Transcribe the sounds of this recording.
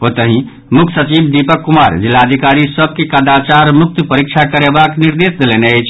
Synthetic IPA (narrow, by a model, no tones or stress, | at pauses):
ot̪əɦĩ | mukʰsət͡ʃibd̪ipəkːumaɾd͡ʒilːaəd̪ʱikaɾisəb̚ʱkekad̪at͡ʃaɾmuk̚t̪pəɾikt͡ʃʰakəɾebakniɾd̪esd̪eleneəjt͡ʃʰ